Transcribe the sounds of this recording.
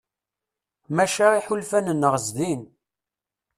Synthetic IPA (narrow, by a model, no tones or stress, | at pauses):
mæʃæiħulfænənːəʁəzðin